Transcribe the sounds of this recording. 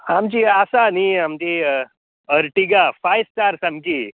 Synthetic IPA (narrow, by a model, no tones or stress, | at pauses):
amt͡ɕiasaniamt͡ɕi | əɾʈiɡafajstaɾsamki